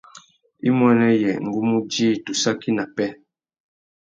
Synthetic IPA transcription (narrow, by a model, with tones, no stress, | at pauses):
i˦mwɛ˦nɛ˦jɛ˨ŋ̩˨ɡu˦mu˦di˦˨tu˨sa˦ki˦na˨pɛ˦